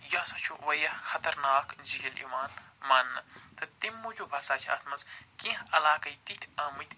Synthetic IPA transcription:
jɐsɐt͡ʃʰuʋɐjɐxɐt̪ɐɾnaːkd͡ʒiɡɐlḭːmaːnmɐnːɐt̪ɐt̪imːud͡ʒʰubʱɐsaːt͡ʃʰɐ̰ːt̪mɐzkĩɦɐlaːkɐit̪it̪ʰɐmit̪ʲʰ

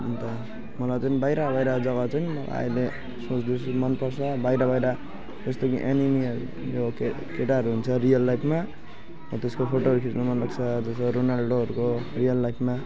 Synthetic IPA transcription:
nt̪ʌ | mʌlajt͡sʌnibajɾabajɾad͡zʌɡʌt͡sʌniʌ̰la̰a̰jle | sot͡sd̪it͡sʰumʌnpʌrsʰʌbajɾʌbajɾa | d͡zʌst̪okiʔenini | jok | keʈaɦʌɾuɦunt͡sʰʌɾijʌlːajpʰma | ʌt̪eskopʰoʈoɦʌɾukʰit͡smamʌnlʌɡt͡sʰʌd͡zʌsʌɾonalɖoɦʌɾukorijʌlːajpʰma

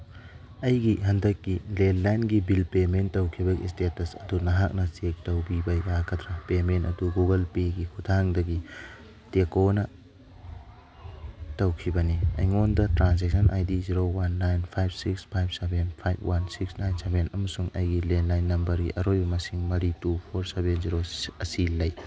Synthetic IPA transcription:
ɐjɡiɦɐndɐkːilenlajnɡibilpementːɐwkʰibɐɡḭstetɐsɐdunɐɦak̚nɐsek̚tɐwbibɐjakʰɐtɾɐpementɐ̰duɡuɡɐlpeɡikʰutʰaŋdɐɡi | tekonɐ | tɐwkʰibɐniɐ̰jŋondɐtɾansek̚sɐnʔajdiziɾowanːajnpʰajb̚sikspʰajb̚sebenpʰajb̚wʔansiksnajnsebenɐmɐsuŋɐjɡilenlajnːɐmbɐɾɡiʔɐɾojbɐmɐsiŋmɐɾitupʰoɾsebenziɾoɐsilɐj

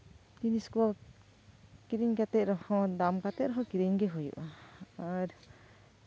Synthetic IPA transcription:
d̪iniskua | kiɾiɲkat̪ɛʔɾɔhɔ̃d̪amkat̪ɛɾɔɦɔ̃kiɾiɲɡɛɦɔjṵʔaaɾ

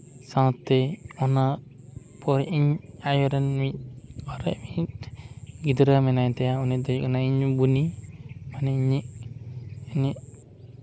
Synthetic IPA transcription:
sãwt̪ːɛɔna | pɔɾʔiɲajɔɾɛnmit̪̚ɔɾɛʔmit̚ | ɡid̪ɾəmɛnajt̪ɛjaunid̪ɔjuɔnaiɲbunimanɛiɲiʔ | ɲiʔ

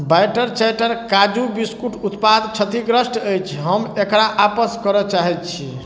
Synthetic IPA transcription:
bajʈəɾt͡ʃajʈəɾkad͡ʒubiskuʈut̪pad̪t͡ʃʰət̪iɡɾəsʈəjt͡ʃʰɦəmekɽaʔapəskəɾɔt͡ʃaɦɛt̪̚t͡ʃʰi

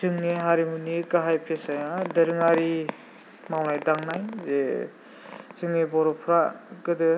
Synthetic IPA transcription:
sɯŋneɦaɾimuniɡaɦajpʰesajadɐɾɯŋaɾi | mawnajdaŋnajze | sɯŋnebɔɾɔpʰɾakɯdɯ

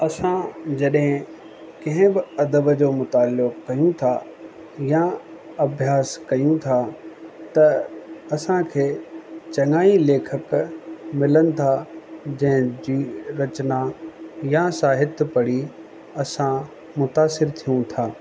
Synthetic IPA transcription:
ɐsãd͡ʑɐɗɦɪ̃ | kɐ̃ɦɪ̃bɪɐd̪əbəd͡ʑoːmʊt̪aːlːʊkkɐjũt̪ʰa | ja | ɐbʱjaːskɐjũt̪ʰat̪ɐɐsãkʰeːt͡ɕɐŋaːileːkʰəkmɪlənɪ̆t̪ʰad͡ʑɐ̃ɦɪ̃d͡ʑiːɾɐt͡ɕnajasaːɦɪt̪pɐɽi | ɐsã | mʊt̪aːsɪɾt̪ʰijũt̪ʰaː

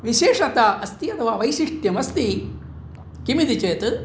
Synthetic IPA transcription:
ʋiʃeːʂɐt̪aɐst̪iɐt̪ɐʋaʋɐjʃiʂʈjɐmɐst̪i | kimid̪it͡ʃeːt̪ɨ

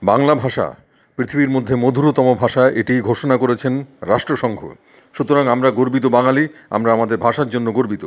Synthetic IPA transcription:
baŋlabʱaʃa̰ | pɾit̪ʰibiɾmod̪ʱːemod̪ʱuɾot̪ɔmobʱaʃaʔeʈijɡʱoʃonakoɾet͡ɕʰenɾaʃʈɾoʃɔŋɡʱo̰ | ʃut̪oɾaŋamɾaɡoɾbit̪̬obaŋalia̰mɾaamad̪eɾbʱaʃaɾd͡ʑonːoɡoɾbit̪o

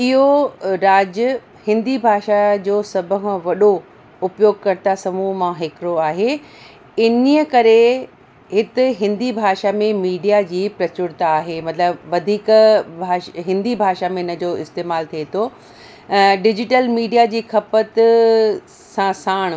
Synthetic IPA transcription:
ɪɦoɾaːd͡ʑʊ | hɪ̃nd̪ibʱaːʃad͡ʑoːsɐbʱəɦʋɐɗo | ʊpjoːɡ̚kɐɾt̪asɐmumãɦɪkɾoaːɦe | ɪniəkɐɾe | ɦɪt̪ɪ̆ɦɪ̃nd̪ibʱaːʃamẽmiːɖijad͡ʑiːpɾɐt͡ɕʊɾt̪aːɦemɐt̪ləbʋɐd̪ʱiːkbʱaːɦɪ̃nd̪ibʱaːʃamẽɪnə̆d͡ʑoːɪst̪eːmaːlt̪ʰiet̪ʰo | ɖɪd͡ʑɪʈəlmiːɖijad͡ʑiːkʰɐpət̪ | sãsaːɽ̃

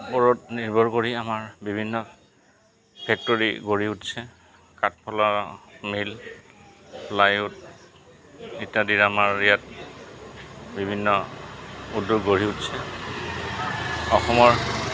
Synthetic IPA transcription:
pɔɹɔtniɹbʱɔɹkoɹiamaɹbibʱinːɔ | pʰɛk̚toɹḭɡoɹiutsɛ | katpʰɔlamil | pʰlajut | itadiɹamaɹijat̚ | bibʱinːɔ | udːuɡɡoɹiutsɛ | ɔxɔmɔɹ

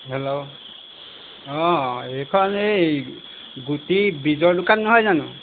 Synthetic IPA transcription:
ɦɛlo | ɔ̃ejkʰɔnej | ɡutibizɔɹdʊkanːɔɦɔjzanʊ̰̃

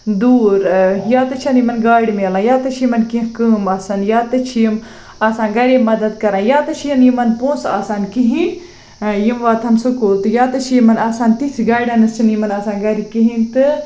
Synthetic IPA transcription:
d̪uːɾjaːt̪ɐt͡ʃʰɐnjimɐnɡaːɽimeːlãjaːt̪ɐt͡ʃʰjimɐnkĩɦkɨːmaːsɐnjaːt̪ɐt͡ʃʰjim | aːsãːnɡɐɾimɐd̪ɐd̪kɐɾãːjaːt̪ɐt͡ʃʰjɐnjimɐnpõːnsaːsaːnkiɦin | jimʋaːt̪ʰɐmsɨkoːlt̪ɨjaːt̪ɐt͡ʃʰjimɐnaːsaːnt̪itʲʰɡaːjɖɐnɨst͡ʃʰɐnjimɐnaːsaːnɡɐɾikiɦĩnt̪ɨ

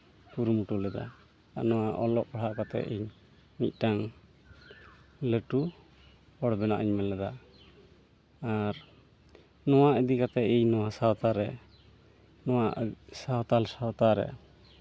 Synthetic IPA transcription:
puɾumuʈulɛd̪a̰ | a̰ʔnɔwaʔɔlɔʔ̚ɔɽaʔkat̪ɛ̰ʔiɲ | mic̪̚ˀʈaŋ | ləʈu | ɔɽbɛnaʔiɲmɛlɛd̪a | aɾ | nɔwaʔəd̪ikat̪ɛiɲnɔwasawt̪aɾɛ | nɔwaʔsat̪alsawt̪aɾɛ̰

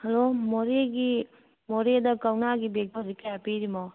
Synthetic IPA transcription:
hɐlomoɾeɡi | moɾedɐkawnaɡibek̚dɔɾikajapiɾimow

